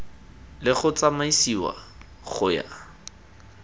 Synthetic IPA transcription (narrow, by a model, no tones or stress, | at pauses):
lɪχʊt͡samaisiwa̰ | χʊja̰